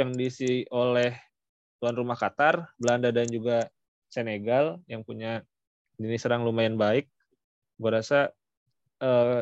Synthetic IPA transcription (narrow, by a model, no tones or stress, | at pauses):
aŋdisiolɛh | t̪uanrumahkat̪arbəlandadand͡ʒuɡa | seneɡaljaŋpuɲa | dənisəɾaŋlumajɛnbaɪk̚ | ɡuaɾasa | əː